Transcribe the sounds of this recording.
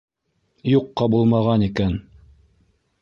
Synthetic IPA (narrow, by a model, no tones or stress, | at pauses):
juqːɑbulˠmɑʁɑnikæn